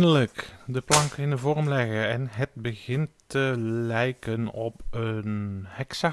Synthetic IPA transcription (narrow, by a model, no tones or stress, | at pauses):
nələkdəplɑŋkəɪnəvɔrmlɛɣəɛnɦət̚bəɣɪntːəlɛjkənɔpənhɛksa